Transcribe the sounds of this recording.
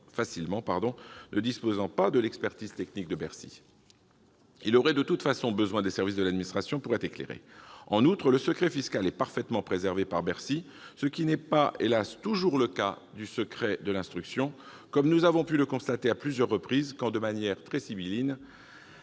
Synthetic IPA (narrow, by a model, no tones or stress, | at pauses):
fasilmɑ̃paʁd̪ɔ̃nʔəd̪ispozɑ̃pad̪əlɛkspɛʁt̪iz̥t̪ɛknik̚d̪əbɛʁsḭ | ilɔʁɛd̪ət̪ut̪fasɔ̃bəzwɛ̃d̪esɛʁvis̬d̪əlad̪minist̪χasjɔ̃puʁɛt̪χeklḛʁḛɑ̃nut̪χələsəkχɛfiskalɛpaʁfɛt̪mɑ̃pχezɛʁvepaʁbɛʁsi | səkʲinɛpaʔelast̪uʒuʁləka | d̪ysəkχɛd̪əlɛ̃st̪χyksjɔ̃ | kɔmnuzavɔ̃pyləkɔ̃st̪at̪eaplyzjœʁːəpχizkɑ̃d̪əmanjɛʁt̪χɛsibilin